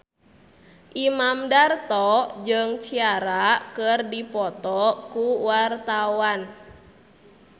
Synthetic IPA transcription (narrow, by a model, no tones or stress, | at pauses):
ʔimamdart̪ɔd͡ʒɨŋt͡ʃiaɾakərdipɔt̪ɔkuwart̪awan